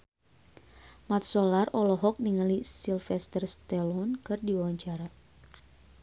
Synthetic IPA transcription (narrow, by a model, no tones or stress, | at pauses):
mat̪̚sɔlarɔlɔɦɔk̚niŋalisilfɛst̪ərst̪ɛlɔnkɨrdiwawaɲt͡ʃaɾa